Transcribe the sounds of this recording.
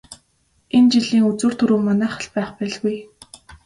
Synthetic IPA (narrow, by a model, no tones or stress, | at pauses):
ent͡ɕiɮiːŋut͡suːr̥t̪ʰɵɾuːmanæːχə̆ɮpæːχpæːɮɣuj